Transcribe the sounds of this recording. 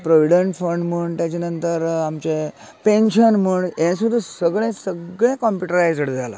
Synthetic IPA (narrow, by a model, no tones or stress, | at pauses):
pɾɔʋiɖeɳʈfəɳɖməɳt̪jat͡ɕenənt̪əɾamt͡ɕe | pẽnɕənməɳjẽsud̪ʱːəsəɡɭẽsəɡɭẽkɔmpjuʈəɾajd͡zəɽd͡zʱala̰